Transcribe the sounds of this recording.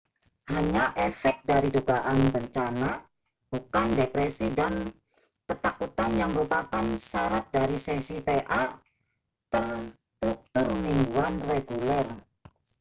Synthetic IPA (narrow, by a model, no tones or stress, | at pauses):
haɲaʔefɛk̚daɾiduɡaʔanbəɲt͡ʃana | b̥ukandepɾesidan | kət̪akut̪anjaŋməɾupakansaɾat̪̚daɾisesipeʔa | t̪ər | t̪ɾuk̚t̪ʊrmiŋɡuanreɡulɛr